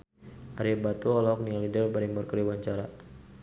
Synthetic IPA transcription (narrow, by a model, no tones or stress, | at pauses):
aɾibat̪uɔlɔɔk̚nialidəlbaɾimbɔrkəɾiwaɲt͡ʃaɾa